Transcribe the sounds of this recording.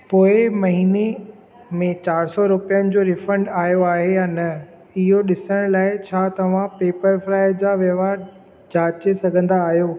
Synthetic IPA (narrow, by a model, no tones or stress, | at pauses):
poːɪmɐɦiːne | mẽt͡ɕaːɾsɔɾʊpijənɪ̆d͡ʑoːɾɪfə̃ɳɖaːjoaːɦejaːnɐ | ɪɦoɗɪsəɽ̃laːɪt͡ɕʰaːt̪ɐʋ̤ãpeːpəɾflaːɪd͡ʑaːʋjɐʋaːɾ | d͡ʑaːt͡ɕesɐɡʱə̃nd̪aːɦjoː